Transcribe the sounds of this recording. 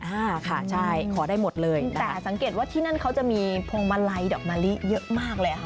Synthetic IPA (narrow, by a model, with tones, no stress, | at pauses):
ʔaː˧kʰa˥˩t͡ɕʰa˥˩jkʰɔː˩˦daː˥˩jmo˨˩t̪̚lɤː˧jnta˦ɛː˦˨˩sa˩˦ŋkeː˨˩t̪̚waː˥˩t̪ʰiː˥˩na˥˩nkʰa˦˥wt͡ɕa˨˩ʔmiː˧pʰo˧ŋma˧˥la˧˥jdɔː˨˩k̚maː˧li˦˥ʔjɤ˦˥ʔmaː˥˩k̚lɤː˧ja˨˩kʰa˦˥˩